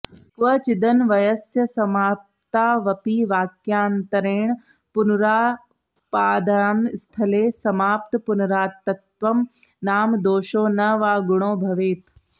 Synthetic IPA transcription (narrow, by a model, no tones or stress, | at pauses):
kʋɐt͡ʃɪd̪ɐnʋɐjɐsjɐsɐmaːp̚t̪aːʋɐpiːʋaːkjaːnt̪ɐɾeːɳ̃ | pʊnɾaː | paːd̪anst̪ʰɐleːsɐmaːpt̪ɨpʊnɾaːt̪ːɐt̪ʋɐm | naːmd̪oːʃoːnɐʋaːɡʊɽ̃oːbʱɐʋeːt̪